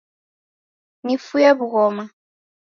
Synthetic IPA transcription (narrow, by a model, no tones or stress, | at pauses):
nifujɛβuɣɔma